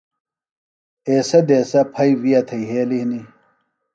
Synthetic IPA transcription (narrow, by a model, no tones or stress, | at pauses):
eːsɐd̪eːsɐpʰɐjwijɐt̪ʰɐiɦeːlihni